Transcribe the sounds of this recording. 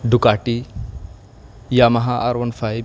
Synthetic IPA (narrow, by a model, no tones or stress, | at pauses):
ɖukaʈi | jamɐɦaʔaɾʋɐnfʰajb